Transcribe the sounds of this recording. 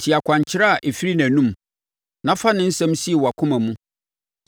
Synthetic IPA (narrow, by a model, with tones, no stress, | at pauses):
tʰɪ˨a˨kʷʰã˨ɲ˨t͡ɕʰɪ˦ɾa˦˨ʔe˨fi˦ɾi˦næ̃˨nũ˦m | nã˦fa˦nɪ̃˦n̩˦sɛ̃˦m˦si˦e˨wɔ˨a˨kʰʊ̃˦mã˨mũ˦